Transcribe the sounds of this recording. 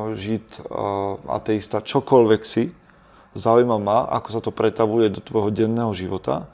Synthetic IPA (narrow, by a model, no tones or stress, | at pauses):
ʒit̪ | a̰t̪ɛist̪at͡ʃɔkɔlʋɛksi | zaujmamaːʔa̰kɔ̥sat̪ɔpɾɛt̪aʋujɛd̪ɔt̪ʋɔjɦɔɟɛnːɛːɦɔʒiʋɔt̪a̰